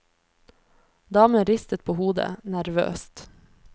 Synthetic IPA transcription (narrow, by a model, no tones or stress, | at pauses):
d̪ɑːməəɾɪst̪ət̪̚pʰoːhuːd̪ə̰næɾʋø̰ːst̪